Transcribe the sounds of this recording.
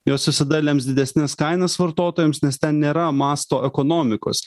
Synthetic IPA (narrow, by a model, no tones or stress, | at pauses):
joːsʋʲɪsʲɐd̪ɐlʲeːmsd̪ʲɪd̪ʲɛsʲnʲɛskɐɪnɐsʋɐɾt̪oːt̪oːjɛmsnʲɛst̪ʲɛnnʲeːɾɐmɑːst̪oːʔɛkoːnoːmʲɪko̰ːs